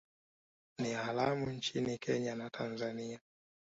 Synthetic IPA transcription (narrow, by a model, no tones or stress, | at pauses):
nialamuɲt͡ʃinikʰɛɲanatʰanzania